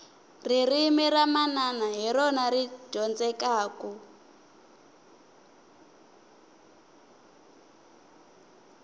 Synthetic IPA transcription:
ririːmiɾamananaɦiɾɔnaɾiɟɔnd͡zɛkaːkɔ

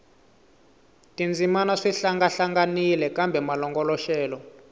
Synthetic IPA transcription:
tʼind͡zʱimanaʂiɬaŋɡaɬaŋɡanilɛkʼambʱɛmalɔŋɡɔlɔʃɛːlɔ

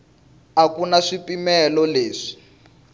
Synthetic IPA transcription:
akunaʂipimɛlɔleːʂi̥

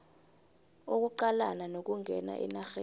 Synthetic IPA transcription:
ok̬uǃalananok̬ʼuŋʱɛna̰ʔḭnaxe

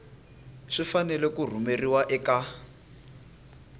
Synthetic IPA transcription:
ʂifanɛlɛkur̤umeriwaʔɛka

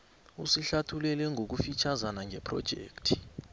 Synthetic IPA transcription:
ṵsiɬatʰulɛlɛŋok̬ufit͡ʃʰazanaŋʱɛpʰrɔ̰d̥ʒ̥ʱḛːktʰi̥

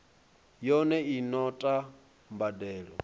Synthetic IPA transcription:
jɔnɛinɔtʼa | mbadɛːɺɔ

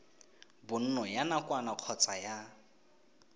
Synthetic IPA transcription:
bʊn̩nɔjanakwanaq͡χʰɔt͡sʼaja

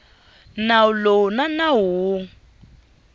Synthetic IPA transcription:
nalonanaɦu

